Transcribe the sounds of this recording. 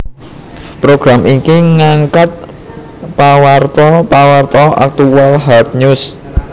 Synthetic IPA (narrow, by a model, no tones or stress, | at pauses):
pɾoɡ̥ɾamʔikiŋaŋkat̪̚ | pawart̪ɔpawart̪ɔʔa̰k̚t̪uwalɦat̪̚ɲus